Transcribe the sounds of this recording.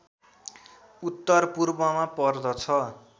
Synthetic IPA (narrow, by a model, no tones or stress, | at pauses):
ut̪ːʌrpurbʌmapʌrd̪ʌt͡sʰʌ